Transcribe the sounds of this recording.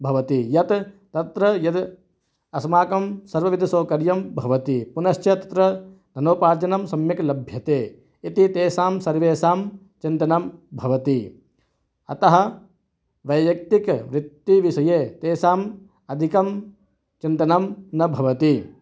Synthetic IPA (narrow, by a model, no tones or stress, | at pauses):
bʱɐʋɐt̪ijɐt̪t̪ɐt̪ɾɐjɐd̪ | ɐsmaːkɐmsɐɾʋɐʋid̪ʱɐsoːkɐɾjɐmbʱɐʋɐt̪ipunɐʃt͡ʃjɐt̪ɐt̪ɾɐd̪ʱɐnoːpaːɾd͡ʒɐnɐmsɐmjɐklɐbʱjɐt̪eː | it̪it̪eːsaːmsɐɾʋeːsaːm | t͡ʃint̪ɐnɐmbʱɐʋɐt̪i | ɐ̰t̪ɐɦɐ̆ | ʋɐjʋjɐk̚t̪ikʋɾɪt̪ːiʋisɐjeːt̪eːsaːm | ɐd̪ʱikɐm | t͡ʃint̪ɐnɐmnɐbʱɐʋɐt̪i